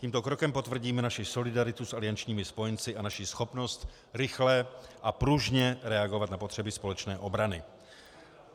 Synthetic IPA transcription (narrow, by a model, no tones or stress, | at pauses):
cʲiːmt̪okɾo̞kɛmpo̞t̪vr̩ɟiːmɛnaʃɪso̞lɪdaɾɪt̪usʔalɪant͡ʃɲiːmɪspo̞jɛnt͡sɪʔanaʃisxo̞pno̞st̪ | ɾɪxlɛʔapɾuʒɲɛɾɛaɡo̞vat̪napo̞t̪r̝̥ɛbɪspo̞lɛt͡ʃnɛːʔo̞bɾanɪ